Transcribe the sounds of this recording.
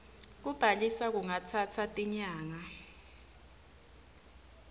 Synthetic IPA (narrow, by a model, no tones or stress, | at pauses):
k̬ub̥ʱalisak̬uŋatʰat͡sʰatʼiɲaːŋa